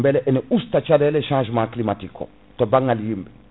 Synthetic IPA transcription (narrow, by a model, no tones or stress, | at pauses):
bɛlɛʔeneust̪at͡ʃadɛleʃãːʒmãklimatikɔ̰ | tɔbãŋalijimbɛ